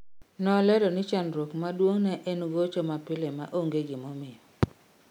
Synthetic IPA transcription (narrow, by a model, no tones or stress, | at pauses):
nɔlɛlɔnɪt͡ʃanɾokmadwoŋnɛʔɛnɡot͡ʃɔmapɪlemaʔoŋɡeɡɪmɔmɪjɔ